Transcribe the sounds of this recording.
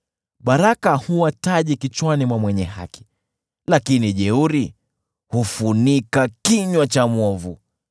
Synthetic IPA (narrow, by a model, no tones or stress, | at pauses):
ɓaɾakahuwataʄikit͡ʃwanimwamwɛɲɛha̰ki̥ | lakiniʄɛuɾi | hufunikakiɲwat͡ʃamwɔvu